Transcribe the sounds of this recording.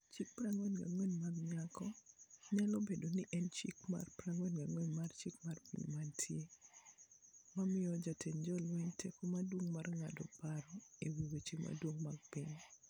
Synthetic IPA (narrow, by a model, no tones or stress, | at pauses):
t͡ʃik̚pɾaŋwɛnɡa̰ŋweɲmaɡŋakɔɲɛlɔbedonɪʔɛnt͡ʃḭkma̰rpɾaŋwɛnɡaŋweɲmart͡ʃikmarpḭɲmantʰje | mamɪjɔd͡ʒatʰeɲd͡ʒɔlweɲtʰekomadwoŋmarŋa̰dɔpaɾɔiwiwet͡ʃema̰dwoŋmaɡ̚piɲ